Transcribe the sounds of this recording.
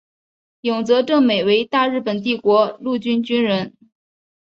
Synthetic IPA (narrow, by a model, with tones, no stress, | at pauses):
jʊ˨˩ŋt͡sɤ˧˥ʈ͡ʂɤ˥˩ŋme˨˩ɪwe˧˥ɪt̪a˥˧ɻɻ̩˥˩pə˨˩nt̪̬i˥˩kwɔ˧˥lu˥˩t͡ɕy˥nt͡ɕy˥nɻə˧˥n